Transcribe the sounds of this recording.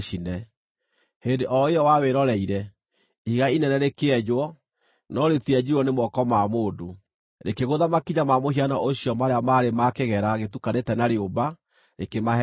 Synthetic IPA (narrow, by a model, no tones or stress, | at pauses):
inɛ | hendeʔɔeɔwaweɾɔɾɛiɾɛ | iɣainɛnɛɾekeɛd͡ʒwɔ | nɔɾetiɛd͡ʒiɾuɔnemwɔkɔmamoːdo | ɾekeɣoðamakiɲamamoɦianaʔoɕjɔmaɾeamaɾemakeɣɛɾaɣetukanetɛnaɾeoba | ɾekemaɦɛ